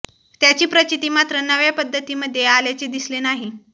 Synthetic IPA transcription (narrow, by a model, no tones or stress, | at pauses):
t̪jat͡ɕiːpɾət͡ɕit̪iːmat̪ɾənəʋjapəd̪ʱːət̪iːməd̪ʱːjealjat͡sed̪islenaɦi